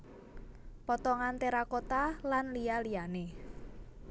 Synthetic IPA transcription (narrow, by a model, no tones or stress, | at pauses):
pɔt̪ɔŋant̪eɾakot̪alanlijalijane